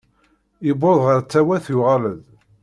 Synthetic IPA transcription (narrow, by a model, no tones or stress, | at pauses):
iboðˤʁəɾt͡sːæwæθjʊʁaləð